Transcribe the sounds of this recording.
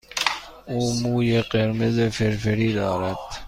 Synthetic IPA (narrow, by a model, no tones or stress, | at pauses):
uːmuːjeɢeɾmezefeɾfeɾiːd̪ɒːɾæd̪̥